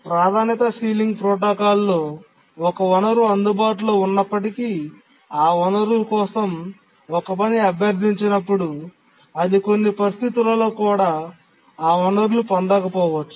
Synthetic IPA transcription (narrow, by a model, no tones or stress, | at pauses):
pɾaːd̪ʱaːnit̪ɐsiːliŋɡpɾɔːʈ̬oːkaːlːo̞ː | ɔkɐɔnɐɾuɐnd̪ubaːʈ̬ulo̞ːunːɐpːɐʈiki | aːunɐɾulkɔːsɐm | ɔkɐp̬ɐniɐbʱjɐɾd̪ʱiɲt͡ʃinɐpːuɽu | ɐd̪ikonːipɐɾist̪ʰit̪ulɐloːkuːɽaː | aːɔnɐɾulupɐnd̪ɐkɐpɔːʋɐt͡ʃːu̥